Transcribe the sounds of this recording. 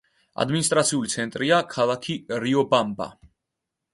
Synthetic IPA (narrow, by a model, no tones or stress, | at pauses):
a̰d̪minis̬t̪ʼɾat̪sʰiulit̪sʰɛnt̪ʼɾiakʰalˠakʰiɾiɔbamba̰